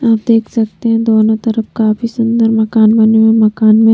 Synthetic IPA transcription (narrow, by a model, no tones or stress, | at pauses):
aːp̚d̪eːkʰsɐkt̪eɦɛ̃d̪oːnõt̪ɐɾəfkaːfisʊ̃nd̪əɾmɐkaːnbɐnemẽmɐkaːnmẽ